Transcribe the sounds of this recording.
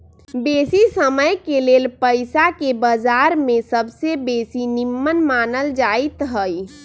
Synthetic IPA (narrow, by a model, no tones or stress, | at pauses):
besisəməjkelelpəɪsakebəd͡ʒaɾmesəbsebesinimːənmanəld͡ʒajt̪ɦəj